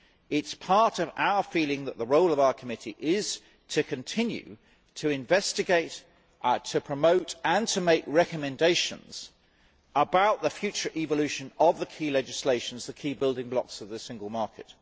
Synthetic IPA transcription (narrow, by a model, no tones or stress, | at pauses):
ɪtspʰɑɹɾʌva̰ʊəfilɪ̃ŋðəʔ̪̚ðəɹoʊlˠəvaʊəkʰəmɪtḭʔɪz̥ | tʰɨkʰɨ̃ntʰɪ̃njʉ̰ | tʰɨɪ̃ɱvɛstɨɡeɪt | tʰəpʰɹ̥əməʊtə̃ntʰəmeɪkɹɛkəmɨ̃ndeɪʃə̰̃nz̥ | əbaʊʔðəfjʉˑt͡ʃə˞ʔivəlʉˑʃə̃nəvðəkʰiːlɛd͡ʒɪsleɪʃə̃n̩zðəkʰiːbɪlˠdɪ̃ŋblɒksəvðəsɪ̃ŋɡəlˠmɑɹkʰɪ̰t̚